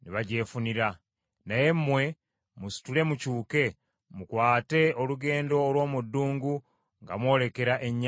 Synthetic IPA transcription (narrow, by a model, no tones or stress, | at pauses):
niβaɟe̞ːfuniɾa | naje̞mːwe̞ | musi̥tule̞mucuːke̞ | mukwaːte̞oluɡe̞ːndo̞ːlwo̞ːmudːuːŋɡu | ŋɡa̰mwo̞ːle̞ke̞ɾaʔe̞ɲː